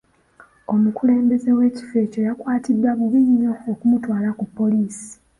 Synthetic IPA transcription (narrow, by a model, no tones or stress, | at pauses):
o̞mukule̞ːmbe̞ze̞we̞ːci̥fe̞ːco̞jakwaːtidːwaβɡiɲːo̞ːkumutwaːlakupːo̞liːsi̥